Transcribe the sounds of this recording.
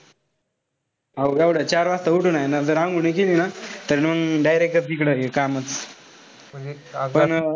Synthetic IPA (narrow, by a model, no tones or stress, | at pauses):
ɦawɡaʋɽət͡ɕaɾʋast̪əuʈunajenad͡zəɾãŋɡunekelinat̪əɾnmənɖajɾek̚ʈət͡s̪ikɽəjekamət͡s | pəɳ